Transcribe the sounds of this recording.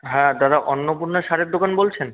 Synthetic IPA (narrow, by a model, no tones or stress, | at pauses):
ɦɛ̃d̪aɾaʔonːopuɾnoʃaɾek̚d̪okanbolt͡ɕʰen